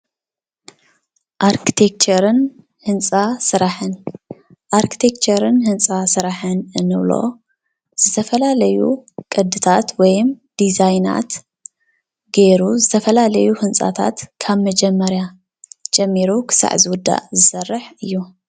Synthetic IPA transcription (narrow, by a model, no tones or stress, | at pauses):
ʔaɾkʰi̥t̪ʰek̚t͡ʃʰɐɾɨn | hɨnt͡sʼasɨɾaħɨn | ʔaɾkʰi̥t̪ʰekt͡ʃɐɾɨnhɨnt͡sʼasɨɾaħɨnɨnɨβlo̰ | z̥ɨt̪ʰɐfɐlalɐjṵkʼɨd̪ːɨt̪ʰat̪wɔjmd̪̥izajna̰t̪ | ɡeɾuzɨt̪ʰɐfɐlalɐjuhɨnt͡sʼa̰t̪ʰa̰t̪kʰaβmɐd͡ʒɛmːɐɾja | d͡ʒʼɛmːiɾukʰɨ̥sa̰ʕzɨwʊd̪ːa̰ʔzɨsɐrːɨħɨjːu